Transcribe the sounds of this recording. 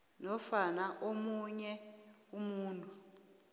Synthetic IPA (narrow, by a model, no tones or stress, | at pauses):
nɔfanaʔomuɲɛumuːntʼu